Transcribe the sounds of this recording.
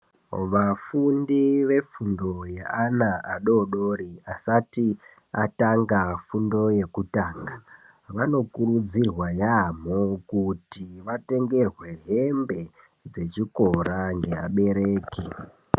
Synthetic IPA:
ʋafundiʋe̞fundo̞jeanaaɗo̞ɗo̞ɾiasati | ataŋɡafundo̞je̞kutaːŋɡa | ʋano̞kuɾud͡zirwajamokutiʋate̞ŋɡe̞rwe̞ɦe̞mbe̞ | d͡ze̞t͡ʃiko̞ɾaŋɡe̞a̰ɓe̞ɾe̞ːki

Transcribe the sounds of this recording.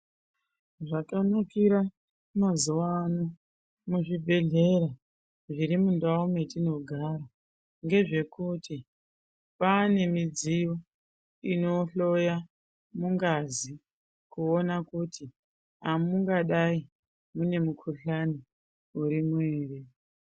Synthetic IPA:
ʐakanokiɾa | mazuwano | muʐibʱe̞ɮe̞ɾa | ʐiɾimundaume̞tino̞ɡʱaɾa | ŋɡe̞ʐe̞kuti | pane̞mid͡zijo | ino̞ɬo̞ja | muŋɡazi | kuo̞nakutʰi | ɦamuŋɡaɗai | mune̞mukʰuɬani | uɾimuweːre

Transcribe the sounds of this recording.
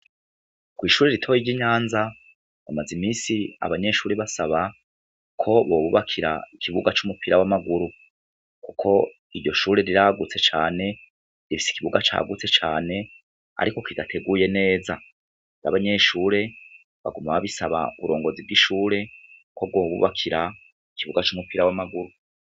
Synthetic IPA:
kwiːʃuːɾe̞ɾitʰo̞jiɟiɲaːnza | jamazimiːsia̰βaɲe̞ʃuːɾe̞βasaβa | kʰo̞βo̞ːβuβakʰiɾa̰ikʰiβuɡat͡ʃumupiɾawamaɡuɾu | kukʰo̞ | iɾɟo̞ʃuːɾe̞ɾiɾaɡut͡se̞t͡ʃaːne̞ | ɾifi̥si̥kiβuɡat͡ʃa̰ːɡut͡se̞t͡ʃaːne̞ | a̰ɾiko̞kidatʰe̞ɡuːje̞ne̞ːza | na̰βaɲe̞ʃuːɾe̞ | βa̰ɡumaβaβisaβa̰ṵβuɾo̞ːŋɡo̞ziβɡiʃuːɾe̞kʰo̞bɡo̞ːβṵβakʰiɾa | ikiβuɡat͡ʃumupiɾawamaɡuɾu

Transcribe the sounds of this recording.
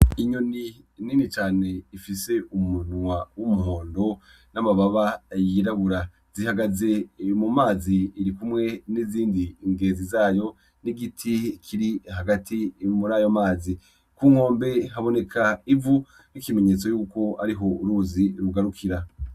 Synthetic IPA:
iɲoni | ninit͡ʃaːne̞ifise̞umunwawumuɦo̞ːndo̞ | namaβaβajiɾaβuɾa | zihaɡaze̞mumaːziːɾikumŋe̞niziːndiŋɡe̞ːzizaːjo̞ | niɡitʰikʰiɾiɦaɡatimuɾaːjomaːzi | kuːŋ̥o̞ːmbe̞ɦaβo̞ne̞kʰaivu | nikime̞ɲe̞ːt͡so̞juːko̞a̰ɾiɦo̞uɾuːziɾuɡaɾukʰiɾa

